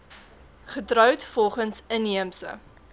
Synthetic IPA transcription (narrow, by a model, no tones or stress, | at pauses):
χətrœwtfɔlˠχənsəniəmsə̰